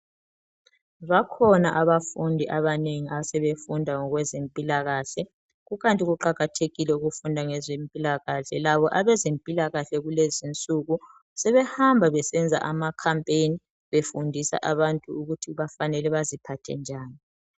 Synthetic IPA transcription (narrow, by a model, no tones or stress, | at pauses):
βakʰɔnaʔaβafundʱiʔaβaneŋiasɛβefundʱaŋɔɣwɛzempʼilaɣaːɬɛ | ɣuɣantʼiɣuǃaɣatʰeɣilɛuɣufundʱaŋɛzempʼilaɣaɬɛlaβɔʔaβɛzempʼilaɣaɬɛɣulezint͡sʼuɣu | sɛβɛhambʱaβɛsɛnd͡zʱa̰ʔamakʰampʼejni | βefundʱisa̰ʔaβantʼuuɣutʰiβafanɛlɛβazipʰatʰɛ̰nd͡ʒʱaːni